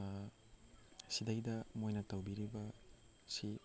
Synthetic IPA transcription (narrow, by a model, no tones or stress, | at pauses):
sidajdɐmojnɐtawbiɾibɐ | si